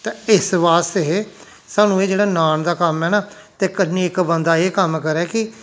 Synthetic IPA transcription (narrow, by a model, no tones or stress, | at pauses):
t̪eːɪsʋaːst̪eɦe | saːnũːeːd͡ʒeːɽaːnaːnd̪aːkəmɦɛːnaː | t̪eːkəniːɪkbənd̪aːeːkəmkəɾɛːkɪ